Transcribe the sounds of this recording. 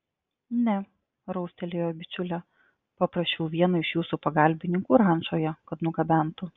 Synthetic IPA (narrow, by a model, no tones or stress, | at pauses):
nʲɛ | ɾɔʊsʲt̪ʲɛlʲeːjoːbʲɪt͡ʃʲʊlʲɛ | pɐpɾɐsʲt͡ʃʲɛʊʋʲiɛnɐɪʃjuːsupɐɡɐˑlʲbʲɪnʲɪŋkuːɾɑˑnʲʒoːjɛkɐt̪nʊɡɐbʲæˑnt̪ʊ